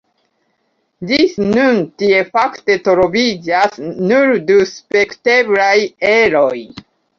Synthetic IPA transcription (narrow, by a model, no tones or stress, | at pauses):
d͡ʒisnuntie̞fakte̞tɾo̞vid͡ʒasnuɾduspe̞kte̞blaje̞ɾo̞j